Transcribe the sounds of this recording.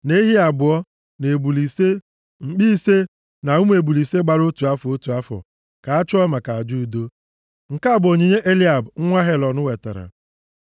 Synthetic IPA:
ne˦ɦi˦a˨bʊ˨ɔ˦ | ne˨bu˨li˨se˦ | ŋ͡m̩˨k͡pi˦se˦ | na˨u˦m˦e˨bu˨li˨se˦ɡ͡ba˨ɾo˦tu˨a˦fo˦tu˨a˦fɔ̰˨ | ka˨a˦t͡ʃɔ˦ma˨ka˨a˨d͡ʒu˦˨do˦ | ŋ̩˨ka˦˨bʊ˨o˨ɲe˨ɲe˦ʔe˦li˦a˨bŋ̩˦ŋʷa˦ɦe˦lɔ˨nʊ˦we˨ta̰˨ɾa̰˨

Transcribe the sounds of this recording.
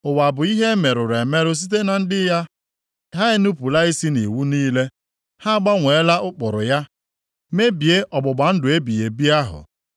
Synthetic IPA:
ʊ˨wa˨bʊ˨i˦ɦe˦me˨ɾʊ˨ɾe˨me˦ɾʊ˦s̬i˦t̬e˦na˨n̩˦dɪ˦ja˦ | ɦa˦ɪ˦nu˦pu˨la˦i˦si˦nḭ˨wu˦niː˦le˦ | ha˦ɡ͡ba˦ŋʷe˨˦la˦ʔʊ˦k͡pʊ˨ɾʊ˨ja˦ | me˦bi˨e˦ʔɔ˨ɡ͡bʊ˨ɡ͡ba˨n̩˦dʊ˨e˦bi˨je˨bi˦a˦ɦʊ̰˨

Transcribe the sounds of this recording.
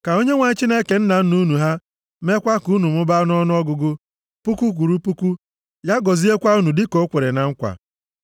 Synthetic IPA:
ka˨o˦ɲe˦ŋʷa˨ɲ̩˦t͡ʃi˦ne˦ke˨n̩˦na˨n̩˦nu˦nu˨ɦa˦ | me˦kʷa˦ku˨˦nu˨mʊ˦ba˦nʊ˦ɔ˦nʊ˦ɔ˦ɡʊ˦ɡʊ˦ | pu˦ku˦k̬ʷu˨ɾu˦pu˦ku˦ | ja˦ɡɔ˨zi˦e˦kʷa˦u˦nu˨dɪ˦ko˦kʷe˨ɾe˨na˨ŋ̩˦kʷa̰˨

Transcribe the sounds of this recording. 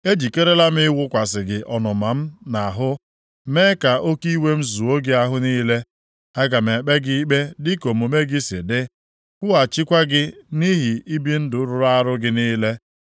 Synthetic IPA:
e˦d͡ʒi˨ke˦ɾe˦la˦m̩˦ɪ˦ɪ˦wʊ˦kʷa˨s̬ɪ˨ɡɪ˨ʔɔ˨nɔ˨ma˨m̩˦na˨ɦʊ˦ | me˦ka˨ʔo˦ki˦we˦m̩˦zu˨o˦ɡɪ˦a˦ɦʊ˦niː˦le˦ | a˦ɡa˨me˨k͡pe˦ɡi˦i˦k͡pe˦dɪ˦ko˨m˨o˨me˦ɡɪ˦sɪ̰˨dɪ˦ | kʷʊ˦a˨t͡ʃi˦kʷa˦ɡɪ˦ni˦ɦi˨i˦bi˦n̩˦dʊ˨˦ɾʊ˦ɾa˦ɾʊ˦ɡɪ˦niː˦le˦

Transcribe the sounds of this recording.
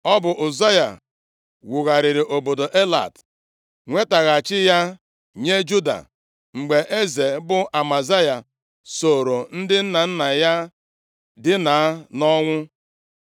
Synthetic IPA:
ɔ˦bʊ˨ʔʊ˨za˦ja̰˨ | wu˨ɣa˨ɾɪ˨ɾɪ˨ʔo˨bo˨do˨ʔe˦la̰˨t | ŋʷe˦ta˨ɣa˨t͡ʃɪ˦ja˦ | ɲe˦d͡ʒu˦da̰˨ | ŋ͡m̩˨ɡ͡be˨ʔe˦ze˨bʊ˦ʔa˨ma˨za˦ja˨ | so˨ɾo˨n̩˦dɪ˦n̩˦na˨n̩˦na˨ja˦ | dɪ˦na˨˦nɔ˦ŋʷʊ˦

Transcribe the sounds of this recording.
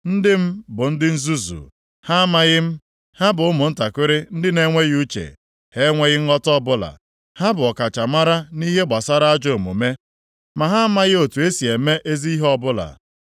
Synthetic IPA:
n̩˦dɪ˦m̩˦bʊ˨n̩˦dɪ˦n̩˦zu˦zṵ˨ | ha˦ma˦ɣɪ˦m̩˦ | ha˦bʊ˨ʊ˦mʊ˨n̩˦ta˨kʷɪ˦ɾɪ˦n̩˦dɪ˦ne˦ŋʷe˦ɣu˦t͡ʃḛ˨ | he˦ŋʷe˦ɣɪ˦ŋ̩˦ɔ˦tɔ˦bʊ˦la̰˨ | ha˦bʊ˨ɔ˨ka˨t͡ʃa˨ma˦ɾa˦ni˦ɦe˦ɡ͡ba˨sa˦ɾa˦a˦d͡ʒo˨mṵ˨me˦ | ma˨ɦa˦a˦ma˦ɣɪ˦o˨tu˨e˦si˨e˨me˦ʔe˦zi˦i˦ɦɔ˦bʊ˦la̰˨

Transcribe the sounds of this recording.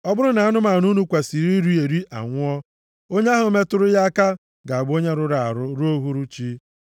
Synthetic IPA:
ɔ˦bʊ˦ɾʊ˦na˨a˦nʊ˦ma˨nu˦nu˦kʷa˨si˨ɾi˦ɾu˦e˨ɾi˦a̰˨ŋʷʊ˦ɔ˦ | o˦ɲe˦a˦ɦʊ˨˦me˦tʊ˦ɾʊ˦ja˦a˦ka˦ | ɡa˨a˨ɡ͡bo˦ɲe˦ɾʊ˦ɾa˨a˨ɾʊ˦ɾu˦o˦ɦu˦ɾu˦t͡ʃi˦

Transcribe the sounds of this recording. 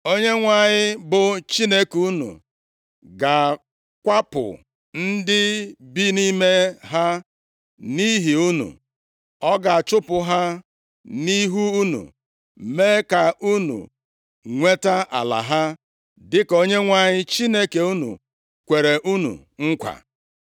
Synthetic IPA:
o˦ɲe˦ŋʷa˦˨ɲɪ˦bʊ˨t͡ʃi˦ne˦ku˦nṵ˨ | ɡa˨ | kʷa˦pʊ̰˨ | n̩˦dɪ˦bi˦ni˦me˦ɦa˦ | ni˦ɦi˨u˦nṵ˨ | ɔ˦ɡa˨a˨t͡ʃʊ˦pʊ˨ɦa˦ | ni˦ɦu˦u˦nṵ˨ | meː˦ka˨ʔu˦nṵ˨ | ŋʷe˦ta˦ʔa̰˨la̰˨ɦa˦ | dɪ˦ko˦ɲe˦ŋʷa˨ɲɪ˦t͡ʃi˦ne˦ke˨u˦nṵ˨ | kʷe˨ɾe˨ʔu˦nṵ˨ | ŋ̩˦kʷa̰˨

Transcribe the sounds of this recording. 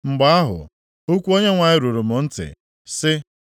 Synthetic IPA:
ŋ͡m̩˨ɡ͡ba˦a˦ɦʊ̰˨ | u˦kʷu˦o˦ɲe˦ŋʷa˨ɲɪ˦ɾu˨ɾu˨mʊ˨n̩˦tɪ̰˨ | sɪ˦

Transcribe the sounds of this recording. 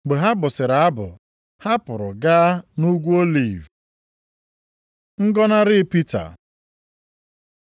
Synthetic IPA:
ɡ͡be˨ɦa˦bʊ˨sɪ˨ɾa˨a˦bʊ˨ | ha˦pʊ˨ɾʊ˨ɡa˦nu˦ɡʷu˦o˦li˦˨v | ŋ̩˦ɡɔ˦na˦ɾɪ˦pi˦ta̰˨

